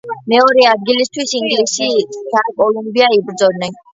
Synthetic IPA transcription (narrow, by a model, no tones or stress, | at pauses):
mɛɔɾɛad̪̚ɡilist̪ʰwisiŋɡlisid̪̥akʼɔlumbiaibɾd̪zɔd̪nɛn